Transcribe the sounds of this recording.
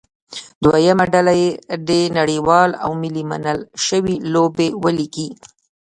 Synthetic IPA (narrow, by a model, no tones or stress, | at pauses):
d̪wajamaɖalajeɖenaɽiwɑla̰wmilima̰nəlʃəwilobewəliki